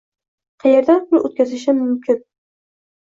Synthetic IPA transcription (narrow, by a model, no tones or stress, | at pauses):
qʰɑjeɾd̪anʊlˠɵt̪̚kʲʰazɪʃɪmɵmkʲʰɪn